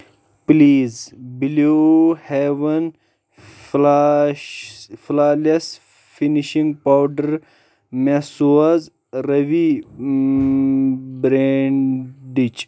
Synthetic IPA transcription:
pliːzbiloheʋɐn | flaːlɐs | finiʃĩŋɡ̚pawɖɐɾ | mesuɐz | ɾɐʋi | bɾeɳɖit͡ʃ

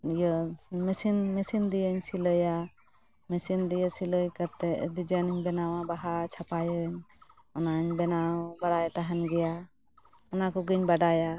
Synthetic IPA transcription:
jɔmɛsinmɛsind̪ijəɲsiləja | mɛsind̪ijəsiləjkat̪ːɛd̪id͡ʒaniɲbɛnawabaɦat͡ʃʰapajəɲ | ɔnaɲbɛnabaɽajt̪aɦanɡɛja | ɔnakɔɡɯɲbaɽaja

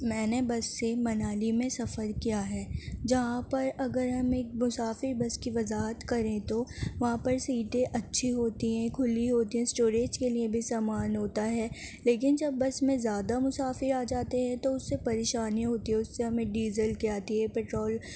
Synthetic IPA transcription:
mɛ̃ːnebɐsːemɐnaːlimẽsɐfəɾkijaɦɛːd͡ʒɐɦãpɐɾɐɡəɾɦɐmeːk̚mʊsaːfɪɾbɐskiʋɐzaːɦət̪kɐɾẽt̪oʋɐɦãpɐɾsiːʈẽʔɐtːʃʰiɦoːt̪iɦɛ̃kʰʊliɦoːt̪iɦɛ̃sʈoːɾeːd͡ʒkeliebʱisaːmaːnɦoːt̪aɦɛːleːkɪnd͡ʒɐbːɐsmẽzjaːd̪amʊsaːfɪɾaːd͡ʒaːt̪eɦɛ̃t̪oʊsːepɐɾeːʃaːniɦoːt̪iɦɛ̃ʊsːeɦɐmẽɖiːzəlkiaːt̪iɦɛpɛːʈɾoːl

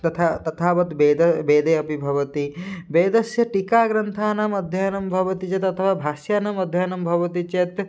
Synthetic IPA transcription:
t̪ɐt̪ʰat̪ɐt̪ʰaːʋɐt̪beːd̪ɐbeːd̪eːɐpibʱɐʋɐt̪ibeːd̪ɐsjɐʈikaːɡɾɐnt̪ʰaːnɐmɐd̪ʱjɐjɐnɐmbʱɐʋɐt̪it͡ʃet̪ɐt̪ʰɐʋaːbʱaːʃjaːnɐmɐd̪ʱjɐjɐnɐmbʱɐʋɐt̪it͡ʃet̪

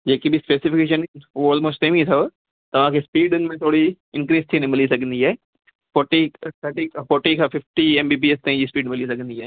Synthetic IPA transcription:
d͡ʑeːkibɪspeːsɪfɪkeːʃənnʊɔːlmoːsʈẽːmĩt̪ʰɐo | t̪ɐʋ̤ãkʰeːspiːɖʊnɪmẽt̪ʰoːɽi | ɪ̃nkɾiːst̪ʰiːnmɪlisɐɡʱə̃nd̪iaːɦe | foːʈiʈɐʈikfoːʈikʰãːfɪfʈieːmbiːbiest̪ãːĩd͡ʑiːspiːɖmɪlis̬ɐɡʱə̃nd̪iaːe

